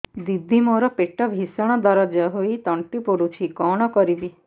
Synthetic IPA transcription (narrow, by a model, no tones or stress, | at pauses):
d̪id̪ʱːimoɾɔpeʈɔbʱisɔɽ̃ɔd̪ɔɾɔd͡ʒɔɦoit̪ɔɳʈipoɽut͡ʃʰikɔɽ̃ɔkɔɾibi